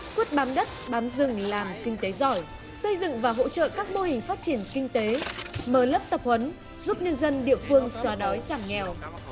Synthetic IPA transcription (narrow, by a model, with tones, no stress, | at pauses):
kwi˦˥ət̚ɓaː˨˦mɗə˦˥t̚ɓaː˨˦mzɨ˨˩ŋlaː˨˩mkï˧ŋ̟t̪e˨˦zɔ˧˩j | sə˧jzɨ̰˧˨ŋvaː˨˩ɦo̰˧˥t͡ɕə̰ː˧˨kaː˦˥k̚mo˧hï˨˩ŋ̟faː˦˥t̚t͡ɕi˧˩ənkï˧ŋ̟t̪e˨˦məː˧˩lə˦˥p̚t̪ə˨˩p̚hwə˨˦n | zu˦˥p̚ɲə˧nzə˧nɗḭ˧˨əfɨ˧əŋswaː˨˦ɗɔ˨˦jzaː˧˩mŋɛ˨˩w